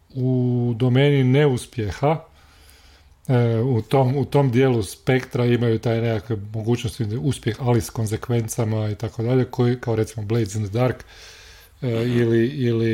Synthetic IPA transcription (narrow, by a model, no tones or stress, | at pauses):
ud̪o̞me̞ːnine̞uspje̞xa | ut̪omut̪o̞md̪jeːluspe̞kt̪ɾaimajut̪ajnekakʋemoɡuːt͡ʃnost̪iuspje̞xalisko̞nze̞kʋe̞nt̪samait̪akod̪aʎe̞kojikaoɾe̞t̪simoblejzind̪d̪aɾkː | iliili